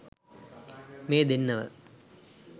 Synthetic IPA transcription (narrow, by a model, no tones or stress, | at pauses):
meːd̪inːɐʋə̰